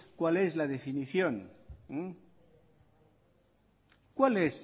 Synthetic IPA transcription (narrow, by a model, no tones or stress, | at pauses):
kwale̞zlaðe̞finiθjoŋ | kwales